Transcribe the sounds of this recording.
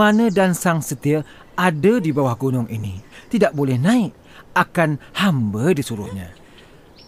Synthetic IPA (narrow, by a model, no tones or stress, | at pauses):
anədansaŋsət̪iə | adədibawahɡonɔŋʔinit̪idaʔ̚bolɛhnaɪʔ | akanhambədisuɾʊhɲa̰